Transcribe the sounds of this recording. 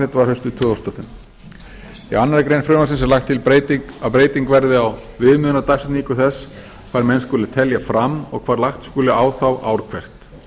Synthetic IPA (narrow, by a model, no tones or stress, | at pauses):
ɪt̪vaɾhœst̪ʏt̪ʰʏːawst̪afʏn | ianːaɾakɾejnfɾʏːmasɪnsɛlaxt̪ʰːɪlpet̪ikapɾeːjt̪iŋkvɛɾðɪawvɪðmʏːðnat̪ajst̪niːkʏθɛs | kʰv̥aːɾmɛnskɔːlɪt̪ʰɛljafɾamɔ̰ɣkʰv̥aːɾlaxt̪skuːlɪʔaːwθawʔa̰ːwɾkʰvɛr̥t̪